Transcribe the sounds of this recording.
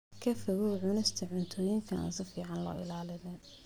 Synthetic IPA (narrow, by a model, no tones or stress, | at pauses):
kʰɐfɐɣʊʕʊnɪst̪ʰɐʕʊnt̪ʰɔːjɪŋkʰɐa̰ːnsɪfiːʕɑnlɔ̰ːʔɪ̰laːlɪðɛːn